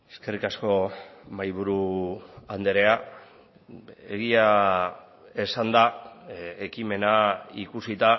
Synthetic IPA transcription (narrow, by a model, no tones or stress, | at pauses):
eske̞rikasko̞majβ̞uɾuand̪eɾe̞a | ḛɣia | e̞sand̪a | e̞kime̞naikusit̪a